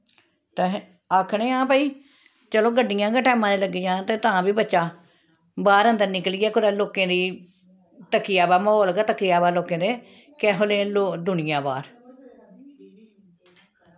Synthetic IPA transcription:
t̪e | aːkʰɳẽːãːpəːiː | t͡ʃəloːɡəɖːɪjãːɡəʈɛːmãːd̪eːləɡid͡ʒãːt̪ẽːt̪ãːbiːbətːʃaː | baːɾə̃nd̪əɾnɪkliːɛːkʊɾɛːloːkẽːd̪iː | t̪əkːijaːbaːmoːlɡat̪əkːijaːbaːloːkẽːd̪eː | kɛːɦoːleːloːd̪ʊnɪjãːba̰ːɾ

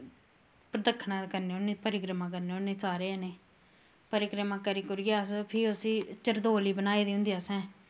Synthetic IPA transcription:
pɾəd̪əkʰːnãːkəɾneːonẽːpəɾɪɡɾəmãːk̬əɾneːoneːsaːɾeːneː | pəɾɪkɾəmãːkəɾiːkʊɾɡaːspʰɪʊsiːt͡ʃəɾd̪oːliːbənaːiːd̪iɦʊ̃nd̪iːasɛ̃ː

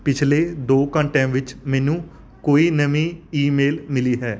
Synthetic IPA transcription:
pɪt͡ʃʰleːd̪oːkəɳʈɛ̃ːʋɪt͡ʃmɛ̃ːnũː | koːiːnəʋĩːiːmeːlmɪliːɦɛː

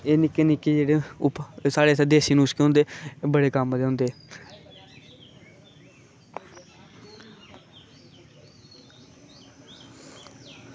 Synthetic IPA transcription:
eːnɪkːeːnɪkːeːd͡ʒeːɽeːʊpsaːɽeːsd̪eːsiːnũːskeɦʊ̃nd̪eːbəɽeːkəmd̪eːõʊnd̪eː

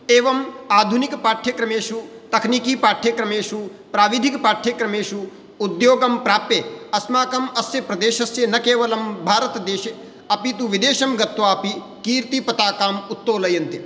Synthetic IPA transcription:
eːʋɐmaːd̪ʱunikpaːʈʰjɐkɾɐmeːʃut̪ɐkʰnikiːpaːʈʰjekɾɐmeːʃu | pɾaːʋid̪ʱikpaːʈʰjekɾɐmeːʃuː | d̪joːɡɐmpɾaːpjeɐsmaːkɐmɐsjɐpɾɐd̪eːʃɐsjɐnɐkeːʋɐlɐmbʱaːɾɐt̪ɐd̪eːʃe | ɐpit̪uʋid̪eːʃɐmɡɐt̪ʋaːɐpi | kiːɾt̪ipɐt̪aːkaːmut̪ːoːlɐjɐnt̪i

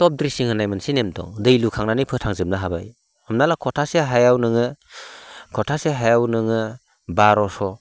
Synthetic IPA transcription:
tɔp̚dɾisiŋhɯnajmɯnsinemtɔ̰ŋdɯjlukʰaŋnanijpʰɯtʰaŋzɯm̚naɦaba̰j | ɯmnalakʰɔtʰaseɦajawnɯŋɯ | kʰɔtʰaseɦajawnɯŋɯ | baɾɔsɔ

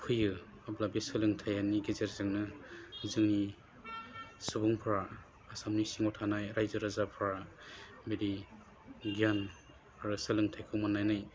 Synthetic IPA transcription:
pʰɯjɯ | ablabisɯlɯŋtʰajaniɡezeɾzɯŋnɯzɯŋni | sɯbuŋpʰɾaː | samnisiŋɔtʰanajɾajzɯɾazapʰɾa | beɾi | ɡian | aɾɯsɯlɯŋtʰajkʰɯmanːajnaj

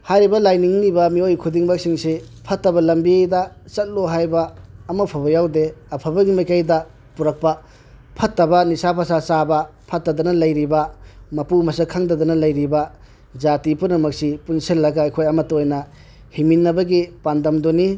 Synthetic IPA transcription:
hajɾibɐlajniŋnibɐmiojkʰudiŋbak̚siŋsi | pʰɐtːɐbɐlɐmbiejdɐ | t͡ʃɐt̚loɦajbɐːmɐpʰabɐjawdeɐpʰɐbɐɡimɐjkajdɐ | puɾɐk̚pɐ | pʰɐtːɐbɐnisapʰasasabɐpʰɐtːɐdɐnɐlɐjɾibɐmɐpumɐsɐkʰaŋdɐdɐnɐlɐjɾibɐ | d͡ʒatipunɐmɐksipunsilːɐɡaːjkʰojɐmɐtːɐojnɐ | himinːɐbɐɡipandɐmdoni

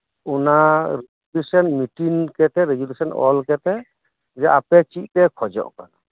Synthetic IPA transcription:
unaɾeɡulesɔnmiʈinkɛt̪ɛɾeɡulesɔnɔ̰lkɛt̪ɛ | d͡ʒɛʔapɛt͡ʃiˀt̪ɛkʰɔd͡ʒɔ̰ʔka̰na

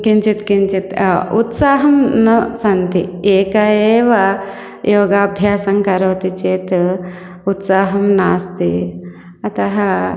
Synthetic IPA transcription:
kint͡ʃit̪kint͡ʃit̪ut̪saːɦɐmnɐsɐnt̪ieːkɐeːʋɐ | joːɡaːbʱjaːsɐŋkɐɾoːt̪it͡ʃeːt̪ | ut̪saːɦɐmnaːst̪i | ɐt̪ɐɦɐ

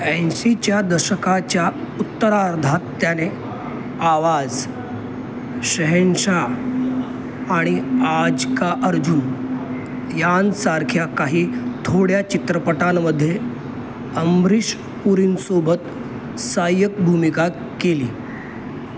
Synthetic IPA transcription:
ɛnsit͡ɕjad̪əɾɕəkat͡ɕjaut̪ːəɾaɾd̪ʱat̪ːjane | aʋad͡z | ɕəɦenɕa | aɽ̃iad͡zkaʔəɾd͡ʑun | jansaɾkʰjakaɦiːt̪ʰoɽjat͡ɕit̪ɾəpəʈamːəd̪ʱːje | əmbɾiɕ | puɾiːnsobət̪ | sajək̚bʱumika | keliː

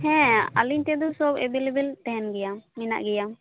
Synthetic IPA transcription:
hɛ̃a̰liɲt̪ɛd̪ɔsɔbɛbelɛbɛlt̪ɛɦɛnɡɛjawmina̰ʔɡɛjam

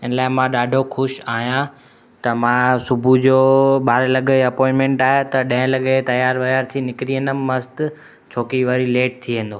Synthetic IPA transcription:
ɪnəlaːɪmãɗaːɖʱoxʰʊʃaːɦijã | t̪ɐmãːsʊbʱud͡ʑoːɓaːɾelɐɡəɐpɔ̃ːɪ̃nmẽɳʈaːɦet̪ɐɗɐ̃ẽlɐɠet̪ɐjaːɾʋɐjaːɾt̪ʰinɪkɾiːə̃nd̪əmmɐst̪ | t͡ɕʰoːkiʋɐɾileːʈ̚t̪ʰiʋẽːnd̪oː

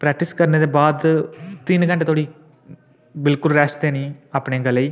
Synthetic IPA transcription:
pɾɛːk̚ʈiskɐɾneðebaːd̪t̪inɡɐɳʈet̪oːɽi | bɪlkʊlɾɛːst̪eːniɐpːɳeɡɐlɐi

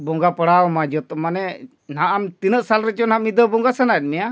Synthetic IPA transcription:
bɔŋɡapəɽawɔmad͡ʒɔt̪ɔmanɛ | naʔamt̪inəʔsalɾɛt͡ʃɔnamid̪əbɔŋɡasənat̪̚mija

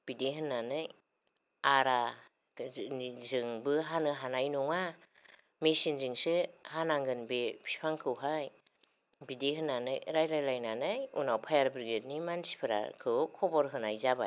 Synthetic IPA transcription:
b̥ideɦɯnːanɯj | aɾa | zɯŋbɯɦanɯɦanajnɔŋa | mesinzɯŋsɯhanaŋɡɯnbepʰi̥pʰaŋkʰɯwɦaj | bideɦɯnːanɯjɾajɾajlajnanɯjunawpʰajaɾbɾiɡet̚nimansi̥pʰɯɾa̰kʰɯwkʰɔbɔɾɦɯnajzaba̰

